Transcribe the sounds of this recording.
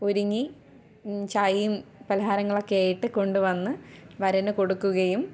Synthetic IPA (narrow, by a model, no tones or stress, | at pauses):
oɾuŋːi | t͡ɕajumpɐlɐɦaːɾɐŋːɐɭo̞kːeaːjiʈːɨko̞ɳɖuʋɐnːɨʋɐɾɐnɨko̞ɽukːuɣɐjum